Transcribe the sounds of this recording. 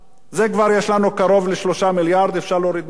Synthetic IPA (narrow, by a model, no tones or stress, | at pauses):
zekvaʁjeʃlanukaʁo̞vleʃlo̞ʃamiljaʁd̪efʃaʁloɾid̪̚